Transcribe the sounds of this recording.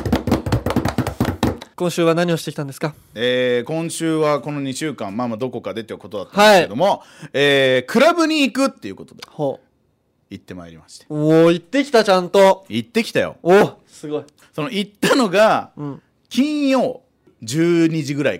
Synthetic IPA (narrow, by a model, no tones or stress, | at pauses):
kõ̞ɰ̃ɕɨːβanaɲ̟io̞ɕi̥t̪eit̪ãnd̪e̞sɨ̥ka | eːkõ̞ɰ̃ɕɨːβako̞no̞ɲ̟iɕɨːkãmmamad̪o̞ko̞kad̪e̞t̪ːeko̞t̪o̞d̪at̪ːaaieed̪o̞mo̞eːkʰɯ̟ɾabɯ̟ɲ̟iːkɯ̟t̪ːe̞jɯ̟ko̞t̪od̪eho | it̪ːe̞maeɾimaɕi̥t̪e̥oit̪ːe̞kʲi̥t̪at͡ɕãnt̪o̞it̪ːe̞kʲi̥t̪ajo̰o | sɨɡo̞i | so̞noit̪ːano̞ɡã | kʲĩɰ̃jo̞ː | d͡ʑɨːɲ̟id͡ʑiɡɯ̟ɾai